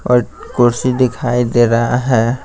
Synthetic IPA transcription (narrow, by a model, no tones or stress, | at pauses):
ɔːɾkʊɾsid̪ɪkʰaːid̪eːɾaɦaɦɛː